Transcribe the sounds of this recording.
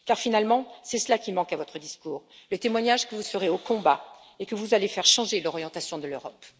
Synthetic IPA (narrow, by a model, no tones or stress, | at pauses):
kaʁfinalmɑ̃sɛsəlakʲimɑ̃kavɔt̪χəd̪iskuːʁlət̪emwaɲaʒkəvusəʁeokɔ̃ba | ekəvuzalefɛʁʃɑ̃ʒelɔʁjɑ̃t̪asjɔ̃d̪əløʁɔp